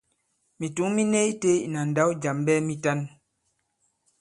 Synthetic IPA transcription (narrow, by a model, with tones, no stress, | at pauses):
mi˨tu˨˦mi˦ne˦i˦te˦i˨na˨n̩˨da˨˦wd͡ʒa˨mbɛ˦mi˦ta˦n